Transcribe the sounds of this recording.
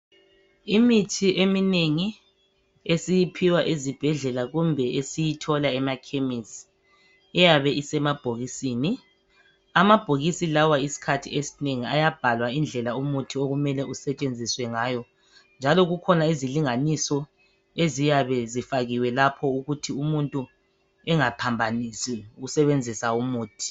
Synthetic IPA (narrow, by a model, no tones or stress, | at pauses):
imitʰiʔemineŋi | esijipʰiwaʔezib̥ʱɛɮɛlaɣumbʱɛesijitʰɔlaɛmakʰemis | ɛjaβɛʔisɛmab̥ʱoɣisiːni | amab̥ʱoɣisilawaisi̥kʰatʰḭesi̥neŋiajab̥ʱalwaind͡ɮʱɛlaumutʰioɣumɛlɛʔusɛt͡ʃʼend͡zʱiswɛŋaːjɔ | nd͡ʒʱalɔɣukʰɔnaiziliŋanisɔ | ezijaβɛzifaɣiwɛlapʰɔuɣutʰiumuntʼu | ɛŋapʰambʱanisɛuɣusɛβend͡zʱisaumuːtʰi̥